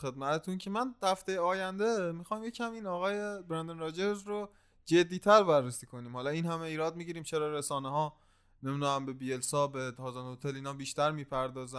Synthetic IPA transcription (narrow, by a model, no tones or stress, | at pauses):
xe̞d̪mæt̪ʰet̪ʰuncʰemænhæft̪e̞jeɒːjænd̪e̞mixɒːjmje̞cʰæmiːnɒːɣɒːjebɾænd̪enɾɒːd͡ʒeɾzɾo | d͡ʒe̞d̪ːiːt̪ʰæɾbærːesiːkʰo̞niːmhɒːlɒiːnɦæmeiːɾɒːd̪̚miɟiːɾiːmt͡ʃʰe̞ɾɒːɾesɒːneɦɒː | neminuæmbe̞biːelsɒːbet̪ʰɒːzenot̪ʰeliːnɒːbiːʃt̪æɾmiːpʰæɾd̪ɒːzæm